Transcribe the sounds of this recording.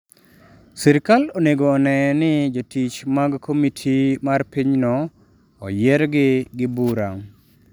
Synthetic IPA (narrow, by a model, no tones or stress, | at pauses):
sɪɾɪkaloneɡoːnɛnɪd͡ʒotʰit͡ʃmaɡkʰomitʰimarpiɲnɔ̰ː | jɛɾɡɪɡɪbuɾaŋ